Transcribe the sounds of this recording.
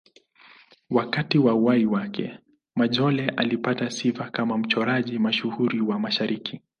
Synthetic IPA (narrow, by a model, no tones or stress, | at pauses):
wakatiwauwaiwakʰɛ̰ | maʄɔlɛʔalipatasivakamam̩t͡ʃɔɾaʄimaʃuhuɾiwamaʃaɾikʰi